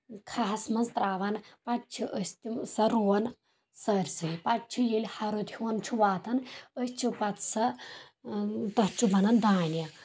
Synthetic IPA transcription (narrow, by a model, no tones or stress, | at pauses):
kʰaːsmɐnzt̪ɾaːʋɐnpɐʈt͡ʃʰiʔəsʲt̪isɐɾuːɐn | səːɾʲsɨpɐʈt͡ʃʰujilʲhɐɾut̪ʰuːnt͡ʃʰuʋaːt̪ɐnəst͡ʃʰupɐt̪sɐ | t̪ɐt͡ʃʰubɐnɐnd̪aːnjɐ